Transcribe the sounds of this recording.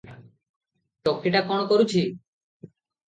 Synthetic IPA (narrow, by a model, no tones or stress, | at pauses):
t͡ʃokʰːiʈakɔɽ̃okoɾut͡ɕʰi